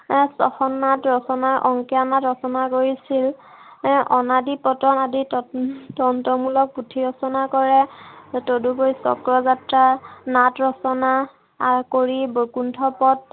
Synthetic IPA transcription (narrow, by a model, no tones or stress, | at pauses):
sɔ̰xɔnːatɹɔsɔnaʔɔŋkɛanatɹɔsɔnakoɹisil | ʔɔnadipɔtɔnadittɔntɔmulɔk̚putʰiɹɔsɔnakɔɹɛtodubojsɔ̰kɹɔzatɹanatɹɔsɔna | aɹkoɹibokuntʰɔpɔt̚